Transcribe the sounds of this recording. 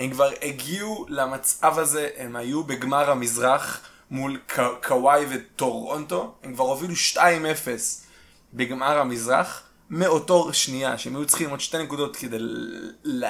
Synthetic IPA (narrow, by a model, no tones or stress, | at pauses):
emkvaʁeɡiulamat͡savhaze̞ʔemhajubeɡmaʁhamizʁaχ | mulkʰkʰawajvetoʁonto̞emkvaʁhoviluʃtaime̞fes | beɡmaʁhamizʁa̰χ | meo̞to̞ʁʃnijaʃeemajut͡sχimodʃtenekudo̞tkedej